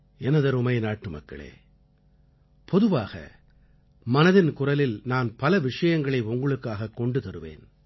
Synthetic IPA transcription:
ɛnɐðɐɾʊmɐɪnaːʈːɯmɐ̰kːɐ̰ɭḛː | pɔðɯʋaːɣɐ̰ | mɐnɐðɪnkʊrɐlɪlnaːnpɐlɐʋɪʂɐjɐŋɡɐɭɐɪʊŋɡɐɭɯkːaːɣɐkːɔɳɖɯt̪ɐɾɯʋḛːn

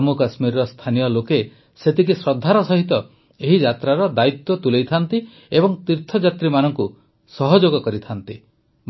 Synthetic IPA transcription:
mukasmiɾɾɔst̪ʰanijɔloke | set̪ʰikisɾɔd̪ʱːaɾɔsɔɦit̪ɔ | eɦid͡ʒat̪ɾaɾɔd̪ait̪wɔt̪ulejt̪ʰant̪i | ebɔŋt̪iɾt̪ʰɔd͡ʒat̪ɾimanɔŋku | sɔɦɔd͡ʒoɡɔkɔɾit̪ʰant̪i | m

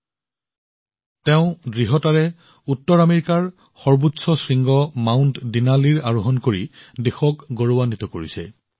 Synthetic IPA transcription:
teʊ̃dɹiɦɔtaɹɛ | utːɔɹameɹikaɹ | xɔɹbutsɔsɹiŋɡɔmaʊntdinaliɹaɹuɦɔnkoɹidexɔkɡoɹowanitɔkoɹisɛ̰

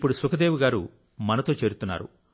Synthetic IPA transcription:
pːuɽusukɐd̪eːʋuɡaːɾu | mɐnɐt̪o̞ːt͡ʃe̞ːɾut̪unːa̰ːɾṵ

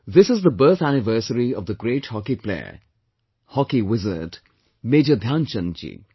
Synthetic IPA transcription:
ðɪsɪzðəbəːt̪ʰænɪʋəɾsəɾiɔvd̪əɡɾeːʈhɔkiplḛə̰ | hɔkiwɪzə̰t | meːd͡ʒəd̪ʱjãːnt͡ʃə̃nt͡ʃḭ

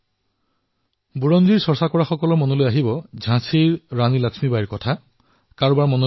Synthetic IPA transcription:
buɹɔnziɹsɔɹsakɔɹaxɔkɔlɔɹmɔnɔlojaɦibɔd͡ʒʱãsiɹːanilaksmibajiɹkɔtʰa | kaɹbaɹmɔno

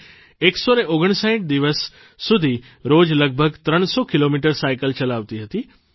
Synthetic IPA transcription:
eːksɔnẽoːɡəɽ̃sãːɪ̃ʈ̚d̪iʋəsː | ʊd̪ʱi | ɾoːd͡ʑləɡ̚bʱəɡt̪ɾəɽ̃sɔkɪloːmiːʈəɾsaːɪkəlt͡ɕɐlaːʋt̪iɦɐt̪iː

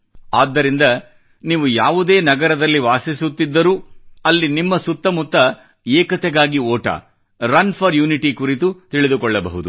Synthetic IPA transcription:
aːd̪ːɐɾind̪ɐ | niːʋujaːʋud̪e̞ːnɐɡɐɾɐd̪ɐlːiʋaːsisut̪ːid̪ːɐɾuɐlːinimːɐsut̪ːɐmut̪ːɐ | eːkɐt̪ɛɡaːɡioːʈɐ̰ | ɾɐnpʰɐɾjuːniʈikuɾit̪ut̪iɭid̪ukɔɭːɐbɐ̰ɦud̪u

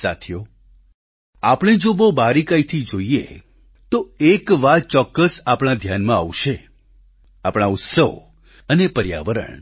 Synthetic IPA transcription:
sa̰t̪ʰjo | apɽ̃ed͡ʒobobaɾikait̪ʰid͡ʒoiḛ | t̪oekʋat̪̚t͡ʃɔkːəsapɽ̃ad̪ʱjanmãa̰ʋʃe | apɽ̃aʊt̪səʋ | ənepəɾja̰ʋəɾə̰ɳ

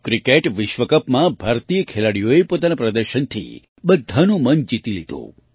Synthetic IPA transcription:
kɾikeʈʋɪʃʋəkəpmãbʱaɾt̪ijəkʰelaɽijoepot̪anapɾəd̪əɾʃənt̪ʰḭ | bəd̪ʱːanũmənd͡ʒit̪ilid̪ʱõ̰

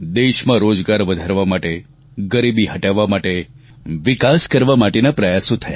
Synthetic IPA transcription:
d̪eʃmãɾod͡ʒɡaɾʋəd̪ʱaɾʋamaʈe | ɡəɾibiɦəʈaʋːamaʈe | ʋikaskəɾʋamaʈenapɾəjasõt̪ʰəja

